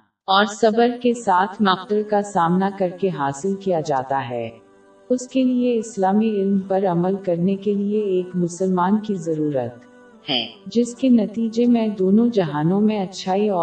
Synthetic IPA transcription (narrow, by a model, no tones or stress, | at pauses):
ɔːɾsɐbəɾkesaːt̪ʰnɐq̚t̪əɾkasaːmnakɐɾkeɦaːsɪlkijad͡ʒaːt̪aɦɛ̰ː | ʊskelieɪslaːmiɪlmpɐɾɐməlkɐɾnekelieːkmʊsəlmaːnkizɐɾuːɾə̰t̪ | hɛːd͡ʒɪskenɐt̪iːd͡ʒemẽd̪oːnõd͡ʒɐɦaːnõmẽɐtːʃʰaːiɔː